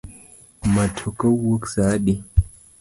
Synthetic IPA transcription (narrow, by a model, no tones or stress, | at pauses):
matʰokawwoksaːɗi